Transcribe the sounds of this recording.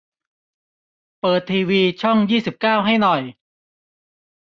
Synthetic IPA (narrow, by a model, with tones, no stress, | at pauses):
pɤː˨˩t̪ʰːiː˧wiː˧t͡ɕʰɔ˥˩ŋjiː˥˩si˨˩p̚kaː˥˩wɦa˥˩jnɔ˨˩j